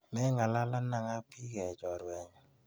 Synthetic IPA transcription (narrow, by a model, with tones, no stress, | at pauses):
mɛ˦ŋa˨la˦la˦na˨ŋa˦pʰi˦ɡɛ˨d͡ʒɔ˨ɾwɛ˨ɲ˨